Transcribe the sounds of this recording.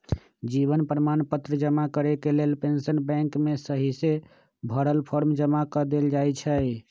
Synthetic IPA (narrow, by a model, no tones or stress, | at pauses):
d͡ʒiβənpɾəmanpət̪ɾəd͡ʒəmakəɾekelelpensənbɛ̃ŋkmesəɦise | bʱəɾəlpʰɔɾmd͡ʒəmakəd̪eld͡ʒajt͡ʃʰə